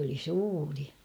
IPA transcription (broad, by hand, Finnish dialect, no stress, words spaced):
oli suːri